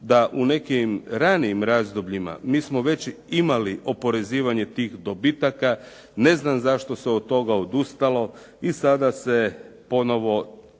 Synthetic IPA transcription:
d̪aʔune̞kimɾaniːmɾazd̪obʎima̰miːsmo̞ʋe̞t͡ɕimaliʔo̞po̞ɾe̞ziːʋaɲe̞t̪iːxd̪obit̪aka | ne̞znamzaʃt̪o̞seod̪̚t̪o̞ɡaod̪ust̪alo̞ | isad̪asepo̞no̞ʋo̞

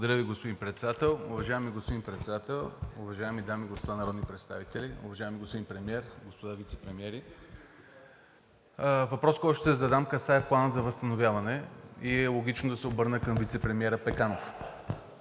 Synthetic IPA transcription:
lˠɡod̪ɐɾjəviɡospʊd̪inpɾɛt̪sɛd̪at̪ɛlˠʊvɐʒaɛmiɡospod̪inpɾɛt̪sɛd̪at̪ɛlˠʊvɐʒaɛmid̪amiɡospod̪anɐɾɔd̪nipɾɛt̪st̪a̰vit̪ɛliʊ̰vɐʒaɛmiɡospod̪inpɾɛmiɛɾɡospod̪avit̪sɛ̥pɾɛmiɛɾi | vɐpɾɔskoɔʃt̪ɛd̪zɐd̪amkəsajplˠanət̪zɐvəst̪ɐnovʲjavɐnɛiɛlˠoɡʲit͡ʃnod̪ɐsɛobɤɾnəkɐmvit̪sɛpɾɛmiɛɾəpɛkanof

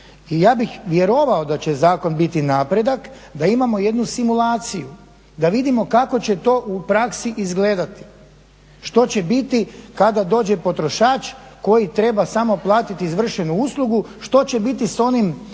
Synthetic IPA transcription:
ijaːbixʋje̞ɾo̞ʋao̞d̪at͡ɕe̞zaːko̞nbit̪inaːpɾe̞d̪ak | d̪aimamo̞je̞d̪nusimulˠaːt̪siju | d̪aʋid̪imo̞kako̞t͡ɕe̞t̪o̞ʔupɾaksiʔizɡle̞ːd̪at̪i̥ | ʃt̪o̞t͡ɕe̞bit̪ikad̪ad̪o̞ːd͡ʑe̞po̞t̪ɾo̞ʃaːt͡ʃko̞jit̪ɾe̞basamo̞plˠaːt̪it̪iːzʋr̩ʃe̞nuuslˠuɡu | ʃt̪o̞t͡ɕe̞bit̪iso̞nim

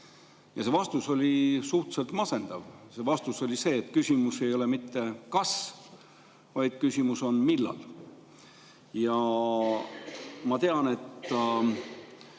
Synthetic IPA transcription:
jɑse̞vɑst̪uso̞lʲisuht̪se̞lt̪mɑse̞nd̪̥ɑvse̞vɑst̪uso̞lʲise̞ːt̪ːˑkysʲimuse̞jo̞le̞mit̪ːe̞kɑs | vɑjd̪̥̚kysʲimuso̞nmilːɑ̰l | jɑ | mɑt̪e̞ɑne̞t̪ː

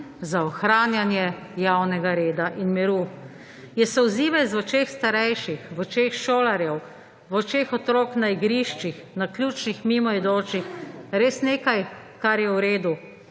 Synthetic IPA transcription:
zaɔxɾaːnjanjɛ | jawnɛɡaɾeːd̪aʔinmiɾu | jɛsɔwziːʋɛzɔt͡ʃexst̪aɾɛjʃixʋɔt͡ʃexʃoːlaɾjɛw | ʋɔt͡ʃexɔt̪ɾoːknaiɡɾiʃt͡ʃixnaklʲjuːt͡ʃnixmimɔid̪oːt͡ʃixɾeːsneːkaj | kaɾjɛwɾeːd̪u

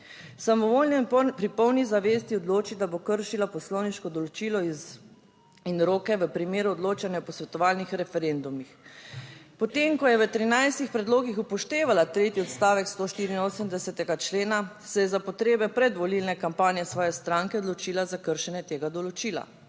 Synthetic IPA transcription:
samɔʋolnɛpɾipɔwnizaʋeːst̪iɔd̪loːt͡ʃid̪abokəɾʃilapɔslɔwniʃkɔd̪ɔlɔt͡ʃilɔiz | inɾoːkɛʋəpɾimeːɾuɔd̪loːt͡ʃanjaɔpɔsʋɛt̪ɔʋaːlnixɾɛfɛɾend̪umix | pɔt̪emkɔjɛʋət̪ɾinajst̪ixpɾɛd̪loːɡixupɔʃt̪eːʋalat̪ɾeːt̪iɔt̪st̪aːʋɛkst̪oːʃt̪iːɾiːnoːsəmd̪ɛsɛt̪ɛɡat͡ʃleːna | sɛjɛzapɔt̪ɾeːbɛpɾɛd̪ʋɔlilnɛkampaːnijɛsʋɔːjɛst̪ɾaŋkɛɔd̪lɔt͡ʃiːlazakəɾʃɛnjɛt̪eːɡad̪ɔlɔt͡ʃiːla̰

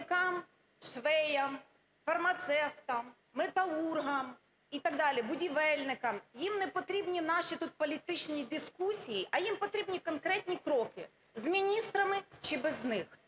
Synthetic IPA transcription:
kɑm | ʃʋɛjɐm | fɐrmɐt̪sɛwt̪ɐmː | et̪ɐurɦɐm | it̪ɐɡ̚d̪ɑlʲibʊdʲiʋɛlʲnɪkɐmjimnɛpɔt̪ɾʲibnʲinɑʃit̪ut̪̚pɔlʲit̪ɪt͡ʃnʲid̪ɪskusʲijiʔɐjimpɔt̪ɾʲibnʲikɔnkɾɛt̪ʲnʲikɾɔkɪ̰ | zmʲinʲist̪ɾɐmɪt͡ʃɪbɛznɪx

